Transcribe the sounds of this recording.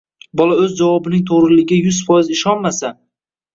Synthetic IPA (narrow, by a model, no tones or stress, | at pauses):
bɒlaɵzd͡ʒavɒbɪnɪŋt̪ʰoʁɾɪlɪɡʲɪjʊzfɒjɪzɪʃɒnmasa